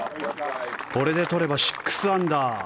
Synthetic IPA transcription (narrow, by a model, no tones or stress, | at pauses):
ko̞ɾe̞d̪e̞t̪o̞ɾe̞baɕi̥kːɯ̥sɨãnd̪a